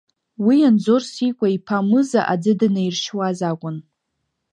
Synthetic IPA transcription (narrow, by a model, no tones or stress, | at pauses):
wijand͡zorsikʷʼaipʰamɨzaʔad͡zɨdɨnajrʃwazakʷʼʊn